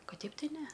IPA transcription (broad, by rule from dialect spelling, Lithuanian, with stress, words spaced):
ˈkɐt ˈtʲɛɪp ˈtɐɪ ˈnʲɛ